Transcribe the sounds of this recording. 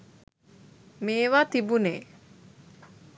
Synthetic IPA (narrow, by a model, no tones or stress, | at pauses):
meːʋaːt̪ibuneː